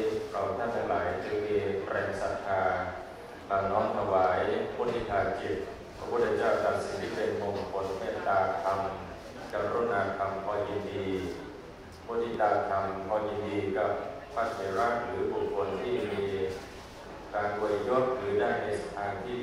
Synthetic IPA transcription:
kʰa˨˩wt̪ʰa˥˩nt̪ʰa˧ŋlaː˨˦jt͡ɕi˧˦miː˧pɾɛː˧ŋsa˨˧˩t̪ʰːaː˧ | laː˧˩nɔː˦˥nt̪ʰa˧waː˩˦jpʰu˧˥˩nt̪ʰi˧˩t̪ʰaː˧˩t͡ɕi˨˩p̚ | pʰɾa˧˥pʰu˥˩t̪ʰːa˧t͡ɕaː˥˩wt̪a˨˧˩t̚si˨˦nt̪ʰiː˥˩pe˧nmo˧ŋ˧kʰo˧nmeː˥˩t̪ːaː˧t̪ʰa˧m | ka˨˧˩ɾu˥˩n̚ʔaː˧˩t̪ʰa˧mkʰɔː˧ji˧ndiː˧ | pʰu˧˥˨t̪ʰiː˧˩t̪aː˧˩t̪ʰa˧mkʰɔː˧ji˧ndiː˧ka˨˩p̚ | pʰːa˦˥˩t̪̚sa˨˧˦ɾaː˥˩ŋɾɯː˩˦bu˨˩kʰːo˧nt̪ʰiː˥˩miː˧ | kaː˧nko˧li˧jo˥˩t̪̚ɾɯː˩˦daː˥˩jna˧˩jsa˧t̪ʰaː˧ŋt̪ʰiː˥˩

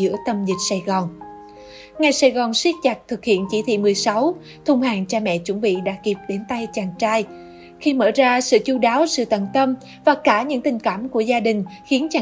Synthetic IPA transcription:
ɨ̰˧˥ət̪ə˧mzi˨˩k̟̚saː˧˩jɣɔ˨˩n | ŋa˨˩jsaː˧˩jɣɔ˨˩nswi˦˥k̚t͡ɕa˨˩k̚t̪ʰɨ˨˩k̚hḭ˧˨ənt͡ɕi˧˦t̪ʰwḭ˧˨mɨ˨˩əjsa˨˦w | t̪ʰʊ˧ŋ͡mhaː˨˩ŋt͡ɕaː˧mɛ̰˧˨t͡ɕʊ˧˩˦nɓḭ˧˨ɗa̰ː˧˥ki˨˩p̚ɗe˨˦nt̪a˧jt͡ɕaː˨˩ŋt͡ɕaː˧j | xi˧məː˧˩zaː˧sɨ̰˧˨t͡ɕu˧ɗaː˨˦wsɨ̰˧˨t̪ə˧˨nt̪ə˧m | vaː˨˩kaː˧˩ɲɨ̰˧˥ŋt̪ï˨˩ŋ̟kaː˧˩mku˧˩əzaː˧ɗï˨˩ŋ̟xi˨˦ənt͡ɕaː˨˩

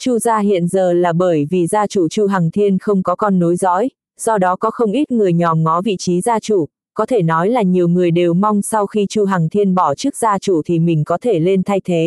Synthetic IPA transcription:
t͡ɕu˧zaː˧ɦḭ˧˨ənzəː˨˩laː˨˩ɓəː˧˩jvi˨˩zaː˧t͡ɕu˧˩t͡ɕu˧ɦaː˨˩ŋt̪ʰi˧ənxə˧wŋ͡mkɔ˨˦kɔ˧nːo˨˦jzɔ̰˧˥j | sɔ˧ɗɔ˨˦kɔ˨˦xə˧wŋ͡mʔi˦˥t̚ŋɨ˨˩əjɲɔ˨˩mŋɔ˨˦vḭ˧˨t͡ɕi˨˦zaː˧t͡ɕṵ˧˩ | kɔ˨˦t̪ʰe˧˩nɔ˨˦jlaː˨˩ɲi˨˩əwŋɨ˨˩əjɗe˨˩wma˧wŋ͡msa˧wxi˧t͡ɕu˧ɦa˨˩ŋt̪ʰi˧ənɓɔ˧˩t͡ɕɨ˦˥ək̚zaː˧t͡ɕu˧˩t̪ʰi˨˩mï˨˩ŋ̟kɔ˨˦t̪ʰe˧˩le˧nt̪ʰa˧jt̪ʰe˨˦

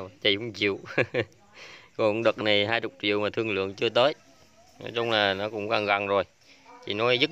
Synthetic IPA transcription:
t͡ɕa˧˩kʊ̰˧˥ŋ͡mt͡ɕḭ˧˨əw | kɔ˨˩˨nɗə˨˩k̚na˨˩jɦaː˧jt͡ɕʊ˨˩k͡p̚t͡ɕḭ˧˨əwmaː˨˩t̪ʰɨ˧əŋlɨ̰˧˨əŋt͡ɕɨ˧ət̪əː˨˦j | nɔ̰˨˦jt͡ɕʊ˧ŋ͡mlaː˨˩nɔ˨˦kʊ̰˧˥wŋ͡mɣaː˧˩ŋɣa˨˩ŋzo˨˩j | t͡ɕḭ˧˨nɔ˨˦jzɨ˦˥

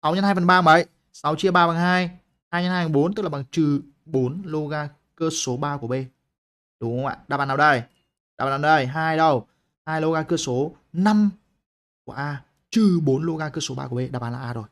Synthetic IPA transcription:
sa˨˦wɲa˧nhaː˧jfə˨˩nɓaː˧˨˩ŋɓə˨˦j | sa˨˦wt͡ɕi˧əɓaː˧ɓaː˨˩nɦaː˧j | haː˧jɲa˧naː˧jfa˨˩ɓo˨˦nt̪ɨ˦˥k̚laː˨˩ɓa˨˩ŋt͡ɕɨ˨˩ | ɓo˨˦nlo˧ɣaː˧ | kəː˧so˨˦ɓaː˧ku˧˩ə˨ɓe˧ | ɗʊ˨˦ŋ͡mŋ͡mʔa̰ː˧˨ɗaː˧˩ɓaː˧˩nːa˧˩˧ɗə˧˩j | ɗaː˧˩ɓaː˨˧˨na˧˩ɗə˧˩jɦaː˧jɗə˨˩w | haː˧jlo˧ɣaː˧kəː˧so˨˦ | na˧m | ku˧˩əʔaː˧ | t͡ɕɨ˨˩ɓo˨˦nlo˧ɣaː˧kəː˧so˨˦ɓa̰ː˧ku˧˩ɓe˧ɗaː˧˩ɓaː˨˩nlaː˨ʔːzo˨˩j

